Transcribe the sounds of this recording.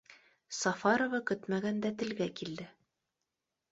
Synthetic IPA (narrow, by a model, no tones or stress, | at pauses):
sɑfɑɾovɑkɵt̪mæɡænd̪æt̪ɘ̆lɡækild̪ɘ